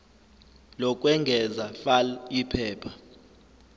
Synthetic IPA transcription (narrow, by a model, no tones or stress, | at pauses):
lɔk̬ʼwɛŋɡʱɛzafalipʰɛːpʰḁ